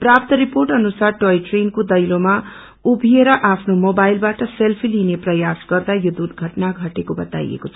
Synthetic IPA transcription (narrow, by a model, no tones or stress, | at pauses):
prap̚t̪ʌɾiporʈʌnusarʈojʈrenkod̪ʌjloma | ubʱieɾʌʔapʰnomobajlbaʈʌselpʰilineprʌjasɡʌrd̪ajod̪ud̪ɡʱʌʈnaɡʱʌʈekobʌt̪a̰j̰ḛkot͡sʰʌ̥